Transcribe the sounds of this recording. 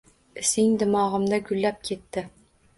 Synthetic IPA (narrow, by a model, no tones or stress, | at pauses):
ɪsɪŋd̪ɪmɒʁɨ̆md̪aɡʊlːap̚kʲʰet̪ːɪ